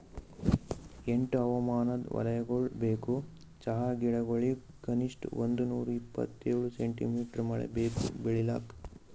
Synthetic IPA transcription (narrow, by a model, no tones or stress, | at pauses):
eɳʈɐʋɐmaːnɐd̪ʋɐ̰lɐjɐɡoɭbeːku | t͡ʃɐɦaɡiɭɐɡoɭi | kɐniʂʈond̪unuːɾuipːɐ̰t̪ːeːɭuseɳʈḭmiːʈɐɾmɐɭḛbeːkṵbeɭila̰ːk